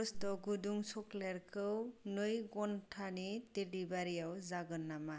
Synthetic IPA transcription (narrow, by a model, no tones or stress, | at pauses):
sdɔɡuduŋsɔkleɾkʰɯwnɯjɡɔntʰanidelibaɾijawzaɡɯnːama